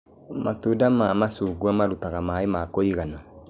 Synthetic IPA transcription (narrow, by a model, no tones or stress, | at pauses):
matudamamasuːɡuamaɾutaɣamaemakoiɣana